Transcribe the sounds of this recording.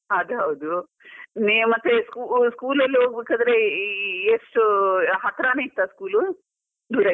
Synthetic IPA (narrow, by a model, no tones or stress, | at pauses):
ɦɐd̪uɦɐwd̪u | nemɐt̪ːeskuskuːlɐlːiɦoːɡbeːkad̪ɾeiesʈuɦɐt̪ɾaːneit̪ːaːskuːlu | d̪uːɾɐ